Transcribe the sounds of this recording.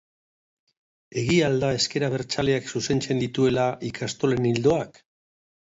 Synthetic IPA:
e̞ɣiald̪ae̞ske̞ɾaβ̞e̞ɾt͡sale̞aksuse̞nt͡se̞nd̪it̪ue̞laʔikʰast̪o̞le̞nild̪o̞ak

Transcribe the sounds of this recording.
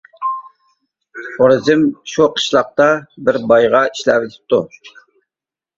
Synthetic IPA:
oɾɨzɪmʃuqʰə̥ʃlˠɑq̚t̪ɑbɪɾbɑjʁɑiʃlæpet̪ʰɪ̥p̚t̪u

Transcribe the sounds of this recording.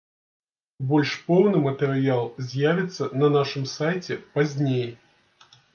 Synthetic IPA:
bo̞lʲʂpownɨmət̪əɾʲɪalˠsʲjavʲɪt̪sənɐnaʂɨmsajtʲɪpɐzʲnʲejə

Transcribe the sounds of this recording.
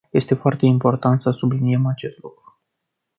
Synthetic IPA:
je̞st̪e̞foart̪e̞impo̞rt̪ant̪səsublinie̞mat͡ʃe̞st̪lukɾu̥

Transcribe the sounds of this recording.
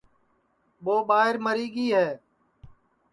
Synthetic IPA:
ɓoːɓaːɦɪɾməɾiːɡiːɦɛː

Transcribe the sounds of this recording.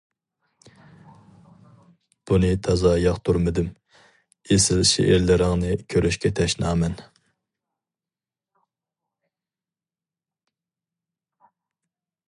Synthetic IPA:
b̥unɨt̪ʰɑzɑjɑχt̪ʰuɾmɪd̪ɪm | esɪlʃḛʔɪɾlɪɾɪŋnɨkʲʰøɾyʃkʲʰɛt̪ʰɛʃnɑːmɛn

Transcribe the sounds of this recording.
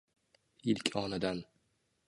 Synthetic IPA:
ilkʲɒnad̪an

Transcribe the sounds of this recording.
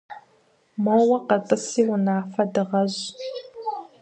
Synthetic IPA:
mowɐqɐtʼɨsiːwʊnaːfɐdɨʁɐʑ

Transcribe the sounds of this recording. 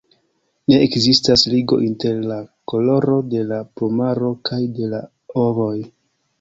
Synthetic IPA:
ne̞ekzistasliɡo̞̰ʔinte̞ɾlako̞lo̞ɾo̞de̞lapomaɾo̞kajde̞la | ovo̞j

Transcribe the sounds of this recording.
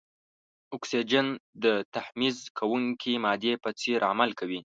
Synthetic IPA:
ʊksid͡ʒand̪ət̪ahmizkʰawuŋkʰimɑd̪epət͡seɾa̰malkʰawi

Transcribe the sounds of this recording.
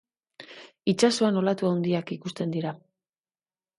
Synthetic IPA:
it͡ʃaso̞ano̞lat̪uawnd̪iakikust̪e̞nd̪iɾa

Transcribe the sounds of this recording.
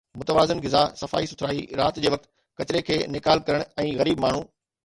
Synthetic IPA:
mʊt̪əʋaːzɪnɣɪzasɐfa̰ːisʊt̪ʰɾaːiɾaːt̪d͡ʑeːʋɐk̚t̪ | kɐt͡ɕɪɾekʰeːnɪkaːlkɐɾəɽ̃ɛ̃ːɣɐɾiːbmaːɳ̤u

